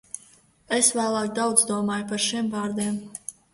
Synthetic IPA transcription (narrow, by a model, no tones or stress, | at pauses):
esvæːlˠɑːk̚d̪awd̪zd̪uɔmɑːjpaɾʃimvɑːɾd̪iɛm